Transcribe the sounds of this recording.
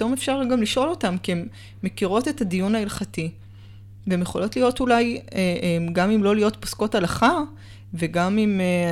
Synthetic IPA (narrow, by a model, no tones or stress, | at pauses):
to̞mefʃaʁɡamliʃʔo̞lo̞tamkiemː | ekiʁo̞te̞tadijunailχati | veemjeχo̞lo̞tlijo̞tulaj | ɡamimlo̞lijo̞tpo̥sko̞talaχa | veɡamim